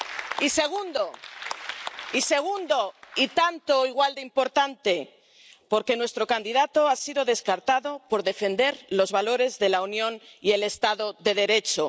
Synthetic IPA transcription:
ise̞ɣ̞und̪o | ise̞ɣ̞und̪o̞it̪ant̪oiɣwald̪eimpo̞ɾt̪ant̪e̞ | po̞ɾke̞nwe̞st̪ɾo̞kand̪iðat̪o̞asiðo̞ðe̞skaɾt̪aðo̞po̞ɾðe̞fe̞nd̪e̞ɾlo̞zβalo̞ɾe̞zðe̞launjõ̞nie̞le̞st̪aðo̞ðe̞ðe̞ɾe̞t͡ʃo

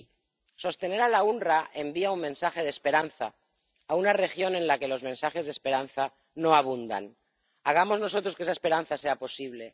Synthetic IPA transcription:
so̞st̪e̞ne̞ɾalaunraʔe̞mbiaunmẽnsaxe̞ð̞espe̞ɾanθaː | unare̞xjo̞nẽ̞nlake̞lo̞zmẽnsaxe̞zðespe̞ɾan̟θa | no̞aβ̞und̪a̰n | aɣ̞amo̞zno̞so̞t̪ɾo̞skee̞saespe̞ɾanθase̞apo̞siβle̞

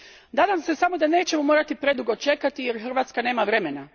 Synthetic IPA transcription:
d̪aːd̪amse̞samo̞d̪ane̞ːt͡ɕe̞momo̞ːɾat̪ipɾe̞d̪uɡo̞t͡ʃe̞kat̪ijeɾxr̩ʋaːt̪skane̞ːmaʋɾe̞me̞na

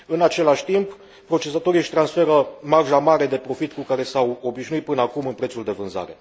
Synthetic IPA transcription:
ɨnat͡ʃe̞laʃʲt̪imp | pɾo̞t͡ʃe̞sat̪o̞ɾiʃʲt̪ɾansfe̞ɾəmarʒamaɾe̞d̪e̞pɾo̞fit̪kukaɾe̞sawo̞biʃnuit̪̚pɨnəakumɨnpɾet̪suld̪e̞vɨnza̰ɾe̞̰

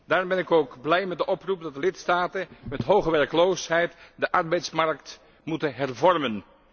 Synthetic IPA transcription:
daːrmbɛnɪkowkblɛjmɛt̚dəʔɔprup̚dɑt̚dəlɪtstaːtəmɛtɦowχəʋɛrklowshɛjtdəʔɑɹbɛjtsmaɹkt | mutəɦɛrvɔrmən

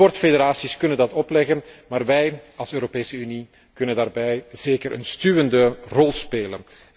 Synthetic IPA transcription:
ɔrtfedeɾaːsiskɵnəndɑtɔplɛɣənmaːrʋɛjɑlˠsøːɾopeːsəyni | kɵnəndaːrbɛjz̥eːkəɾʔə̰nstyːʋəndərɔlˠspeːlə̰n

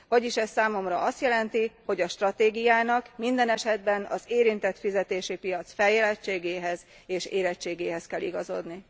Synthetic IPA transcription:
vɒɟiʃɛsːaːmo̞mrɒʔɒst̪jɛlɛnt̪iho̞ɟɒʃt̪rɒt̪eːɡijaːnɒkmind̪ɛnɛʃɛd̪bɛnɒ̰zeːɾint̪ɛt̪fizɛt̪eːʃipijɒt̪sfɛljɛlɛt͡ʃːeːɡeːɦɛz | eːʃeːɾɛt͡ʃːeːɡeːɦɛskɛlːḭɡɒzo̞̰d̪ni

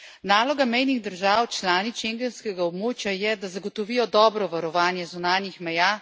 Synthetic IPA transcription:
naːlɔɡamɛjniɣd̪əɾʒaːwt͡ʃlaːnit͡ʃeŋɡɛnskɛɡaɔbmoːt͡ʃjajɛd̪azaɡɔt̪ɔʋiːjɔd̪ɔːbɾɔʋaɾɔʋaːnjɛzunaːnjixmɛjaː

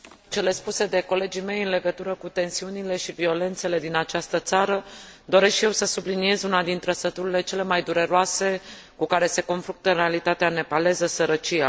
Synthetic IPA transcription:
t͡ʃe̞le̞spuse̞d̪e̞ko̞le̞d͡ʒime̞jɨnle̞ɡət̪uɾəkut̪e̞nsiunile̞ʃivio̞le̞nt̪se̞le̞d̪inat͡ʃast̪ət̪saɾəd̪o̞ɾe̞skʃije̞wsəsublinie̞zunad̪int̪ɾəsət̪uɾile̞t͡ʃe̞le̞majd̪uɾe̞ɾoase̞ | kukaɾe̞se̞ko̞nfɾunt̪əɨnɾe̞alit̪at̪eane̞pale̞zəsəɾət͡ʃia

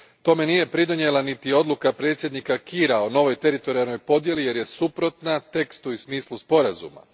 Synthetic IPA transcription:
t̪o̞me̞nije̞pɾid̪o̞nje̞lanit̪io̞d̪lˠukapɾe̞ːt̪sjed̪nikakiːɾaono̞ʋo̞jt̪e̞ɾit̪o̞ɾialˠno̞jpo̞d̪je̞lije̞ɾje̞supɾo̞t̪nat̪e̞kst̪uismiːslˠuspo̞ɾazṵma̰

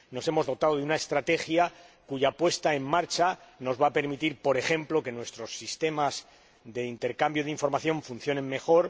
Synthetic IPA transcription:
no̞se̞mo̞zð̞o̞t̪aðo̞ðeunaest̪ɾat̪e̞xjakuʝapwe̞st̪ae̞mːaɾt͡ʃano̞zβaːpe̞ɾmit̪iɾpo̞ɾe̞xe̞mplo̞ke̞nwe̞st̪ɾo̞sːist̪e̞maz | ðe̞int̪e̞ɾkambjoðeiɱfo̞ɾmaθjõ̞ɱfun̟θjo̞nẽ̞ŋmːe̞xo̞ɾ

